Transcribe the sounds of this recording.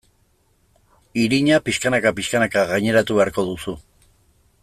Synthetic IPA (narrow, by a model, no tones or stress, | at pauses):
iɾiɲapiskanakapiʃkanakaɣajɲe̞ɾat̪uβe̞aɾko̞ðusu